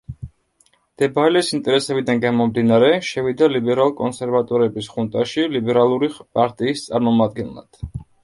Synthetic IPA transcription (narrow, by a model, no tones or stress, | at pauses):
d̪̥ɛbaɛlɛsint̪ʼɛɾɛsɛbid̪anɡamɔmd̪inaɾɛʃɛvid̪alibɛɾalˠkʼɔnsɛɾvat̪ʼɔɾɛbisχunt̪ʼaʃilibɛɾalˠuɾipʼaɾt̪ʼiːst̪sʼaɾmɔmad̪̚ɡɛnlˠa̰d̪̥